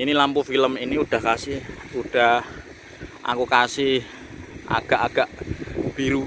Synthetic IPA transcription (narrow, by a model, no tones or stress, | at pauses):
inilampufiləminiuɖ̥a̤hkasɪhuɖ̥a̤ɦ | ʔa̰kukasɪh | ʔa̰ɡ̥a̤ʔaɡ̥aʔb̥iɾu